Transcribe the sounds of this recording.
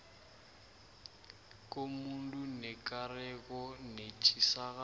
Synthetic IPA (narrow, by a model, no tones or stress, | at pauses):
kʼomundʼunɛkʼarɛkɔnet͡ʃʰʼisaɣa